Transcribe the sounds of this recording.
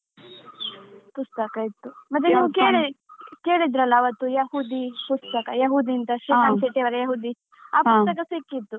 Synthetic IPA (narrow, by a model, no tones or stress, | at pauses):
pust̪ɐkɐit̪ːumɐt̪̬ːuniːʋukeːɭikeːɭid̪ɾɐlːɐːʋɐt̪ːujɐhuːd̪ipust̪ɐkɐjɐɦuːd̪int̪ɐʃɾimaːnseʈːiʋɐɾɐjɐɦuːd̪i | aːpust̪ɐkɐsikːit̪ːu